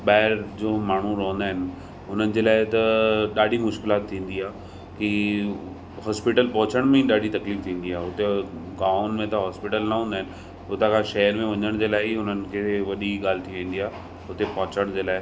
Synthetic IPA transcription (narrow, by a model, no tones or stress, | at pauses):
ɓaːɪɾd͡ʑoːmaːɳ̤uɾɐɦə̃nd̪aːɦɪnɪ̆ | ɦʊn̤ənɪ̆d͡ʑeːlaːɪt̪ɐɗaːɖʱimʊʃkɪlaːt̪ʰːĩːn̆d̪iaː | ki | ɦɔːspɪʈəlpɐ̃ɦʊt͡ɕəɽ̃mẽɗaːɖʱit̪ɐkliːft̪ʰĩːn̆d̪iaːɦʊt̪eɡaːʊnmẽt̪ɐɦɔːspɪʈəlnɐɦũːnd̪aɦɪnɪ̆ | ɦʊt̪ãkʰãʃɐəɾmẽʋɐɲəɽ̃d͡ʑeːlaːɪiʊnənɪ̆kʰeːʋɐɗiɠaːl̤ɪt̪ʰiʋẽːn̆d̪iaː | ɦʊt̪epɐ̃ɦʊt͡ɕəɽ̃d͡ʑeːlaːɪ